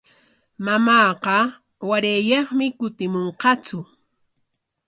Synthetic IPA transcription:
mamɑːqɑ | waɾajjɑχmɪkʊt̪ɪmoɴqɑt͡sʊ

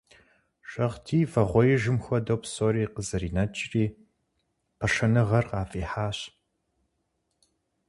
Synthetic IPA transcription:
ʃɐʁtʰiːvɐʁʷɔjɪʒɪmxʷɔdowpsoːɾiːqəzɐɾiːnɐt͡ʃʼriː | qɐʂɐnɨʁɐrqɑːfiːħaːɕ

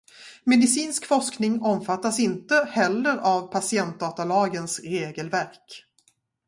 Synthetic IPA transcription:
mɛd̪ɪsiːnskfɔʂknɪŋɔmfat̪ːasɪnt̪əhɛlːəɾavpʰasɪɛnt̪̚d̪ɑːt̪alɑːɡənsɾeːɡəlvæɾk

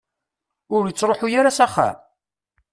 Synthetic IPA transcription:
ʊɾjət͡sːɾˤoħujaɾasaχːa̰

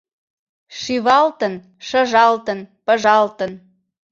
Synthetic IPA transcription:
ʃyβɑlt̪ən | ʃəʒɑlt̪ənpəʒɑlt̪ən

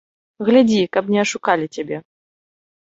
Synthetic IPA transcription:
ɣlʲad͡zʲikɐpnʲɛɐʂukalʲit͡sʲabʲɛ

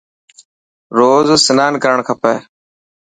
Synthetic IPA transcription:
ɾoːzsənaːnkəɾəɳkʰəpɛː

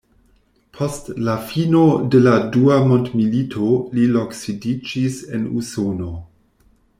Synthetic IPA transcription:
pʰostlafinodeladuamontmilitʰoliloksidid͡ʒisenṵsono

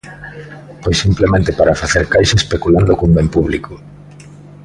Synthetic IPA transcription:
pojsimplemẽnt̪ɪpaɾafaθeɾkajʃaespekuland̪ʊkombempuβlikʊ

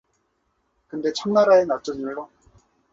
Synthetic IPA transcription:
kɯnde̞t͡ɕʰʌŋnaɾaenat͡ɕ͈ʌd͡ʑimɯɭːo

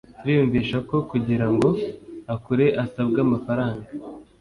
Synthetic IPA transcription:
tɾiːjuɱviːʃako̞kuɟiɾaŋɡo̞akuɾe̞ʔasabɡaːmafaɾaːŋɡa

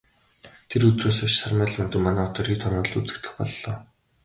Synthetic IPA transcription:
t̪ʰeɾɵt̪roːsʊt͡ɕsarmæːɮɵnt̪ɵ̆manæːʊt̪ɔ̆rʲiːk̚t̪ʰɔnɔːɮut͡sɘ̆k̚t̪ɘ̆xpɔ̰ɮːɔː

